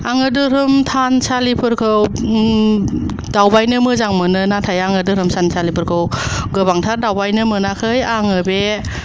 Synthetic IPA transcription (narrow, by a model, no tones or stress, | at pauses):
aŋɯdɯɾɯmtʰansalipʰɯɾkʰɯw | dawbajnɯmɯzaŋmɯnɯnatʰajaŋɯdɯɾɯmsʰansʰalipʰɯɾkʰɯwɡɯbaŋtʰaɾdawbajnɯmɯnakʰɯjaŋɯbe